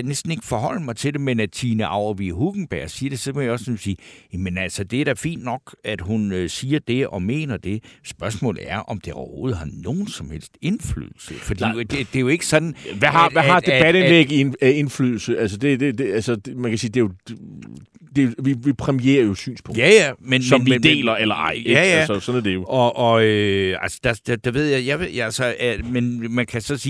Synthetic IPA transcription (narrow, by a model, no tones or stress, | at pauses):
nesd̥n̩e̝ɡ̥ə̥fɒ̽hɒ̽l̰əmɑ̈ɪt͡sʰe̝ld̥e̝menæd̥t͡sʰiːnəʔɑ̈ʊɐʋiɦuɡ̥ŋ̩b̥æɐ̰siːɐd̥e̝sɒkejaɒ̽sɒmsiːjæmenælsəd̥e̝æɐɾ̥æfḭːnd̥nɒ̽ɡ̥æd̥ɦunøsiːɐd̥e̝ʔɒ̽me̝̰ːnɐd̥e̝sb̥ɶɐsmɔ̰̽ːlð̩ˠæɐʔɒ̽md̥e̝ɒʊɐho̝ːð̞̩ˠɦɑ̈noːn̩sɒ̽mhel̰sd̥e̝nfly̰ːðˠl̩səfɒd̥ḭd̥ed̥e̝jo̝e̝ɡ̥əsɒ̽d̥n̩ʋæɦʋæɑ̈d̥eb̥æɾ̥enleɡ̥ine̝nfly̰ːðˠl̩səʔæls̬əd̥e̝d̥e̝d̥eælsəd̥mænkʰæsiːd̥e̝jo̥ | d̥e̝jʋiʋipʰʁɛmiḛːɐjo̝sy̰ːnspʰɔŋjæjæmensɒmmnd̥e̝̰ːlɐelɐɑ̈ɪ̰jæjæəsɒ̽næɐd̥e̝jo̝ʔɒ̽ʔɒøælsɒ̥d̥æd̥d̥eʋe̝ð̞̰ˠjɑɪjæʋe̝̰ælsɒmenmænkʰæsɒ̽siː